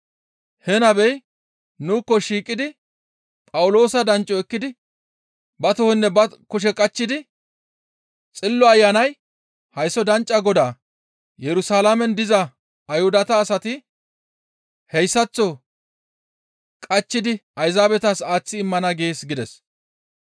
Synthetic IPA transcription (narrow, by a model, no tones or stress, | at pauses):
hɛnɐbɛj | nuːkːɔʃiːkʼːɪd̪ɪ | pʼɐwʊlo̞ːsɐd̪ɐnt͡ʃʼːɔɛkːɪd̪ɪ | bɐt̪ɔhɛnːɛbɐkʊʃ̬ɛkʼɐt͡ʃːɪd̪ɪ | t͡sʼɪlːɔɐjːanɐj | hɐjsːɔd̪ɐnt͡ʃʼːɐɡɔd̪aː | jɛɾʊsaːlamɛnd̪ɪzɐː | jhʊd̪ɐt̪ɐːsɐt̪ɪ | hɛjsːɐt͡sːɔ | kʼɐt͡ʃːɪd̪ɪɐjzaːbɛt̪ɐsaːt͡sːɪːmːɐnɐɡe̞ːsɡɪd̪ɛs